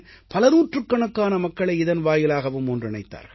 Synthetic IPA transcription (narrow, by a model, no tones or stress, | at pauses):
pɐlɐnuːʈrɯkːɐɳɐkːaːnɐmɐkːɐɭɐɪɪðɐnʋaːjɪlaːɣɐʋɯmɔndrɪɳɐɪt̪ːa̰ːɾɣɐɭ